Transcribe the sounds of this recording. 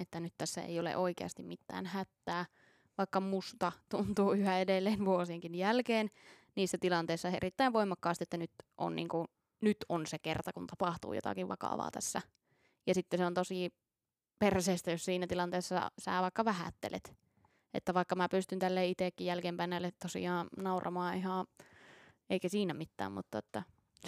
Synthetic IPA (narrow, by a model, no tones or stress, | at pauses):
et̪ːænyt̪t̪æsːæḛijolḛʔoikḛɑ̰st̪immit̪ːæ̰ːnhæt̪ːæː | ʋɑikːɑmust̪ɑt̪unt̪uːyhæedelːeːnʋuosieŋkinjælkeːn | niːsːæt̪ilɑnt̪eːsːɑḛrit̪ːæiʋʋoimɑkːɑːst̪iet̪ːænyt̪ʔo̰nnḭːŋku | nyt̪onsekert̪ɑkunt̪ɑpɑht̪ṵːjo̰t̪ɑ̰kiʋʋɑ̰kɑ̰ʋɑ̰ːt̪æsːæ | jɑsit̪ːeseont̪osi | perseːst̪æjossiːnæt̪ilɑnt̪eːsːɑ̰sæ̰ːʋɑikːɑʋæhæ̰t̪ːḛlʔḛt̪ | ʔḛt̪ːæʋɑikːɑmæpyst̪ynt̪ælːeːit̪eˑkːijjælkeːmpæinːælːet̪t̪osḭɑːnɑurʔɑ̰mɑːihɑ̃ | eikæsiːnæmit̪ːæ̰ːmmṵt̪ːɑet̪ːæ